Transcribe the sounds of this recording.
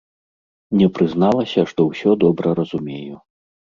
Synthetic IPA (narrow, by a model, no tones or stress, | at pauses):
nʲɛpɾɨznalˠɐsʲɐʂt̪ɔwsʲɔd̪ɔbɾɐɾɐzumʲeju